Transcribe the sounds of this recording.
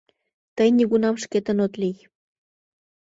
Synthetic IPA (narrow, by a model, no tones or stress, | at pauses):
t̪ajnikʊnamʃket̪anot̪lij